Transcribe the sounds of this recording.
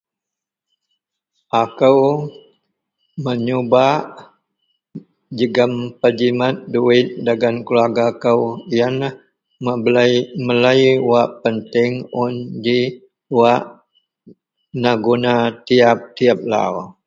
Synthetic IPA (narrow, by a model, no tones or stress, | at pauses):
ʔakəw | məɲubaʔ | d͡ʒəɡəmpəd͡ʒimat̪̚duɪt̪̚daɡankəluaɡakəwjanah | m | məlajwaʔpənt̪ɪŋʊndi | waʔ | naɡonat̪iap̚t̪iap̚la̰